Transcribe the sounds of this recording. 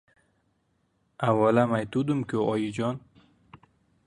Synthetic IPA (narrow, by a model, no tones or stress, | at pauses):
awɔlamajt̪ud̪umkoɔjid͡ʒɔn